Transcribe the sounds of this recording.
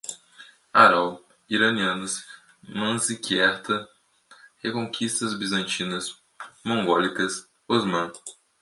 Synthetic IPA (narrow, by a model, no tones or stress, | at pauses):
aɾaw | iɾɐniɐ̃nɐs | mɐ̃zikiɛɾt̪ɐ | hekõkʰist̪ɐzbizɐ̃nt͡ʃĩnɐs | mõŋɡɔlikɐs | ozmɐ̃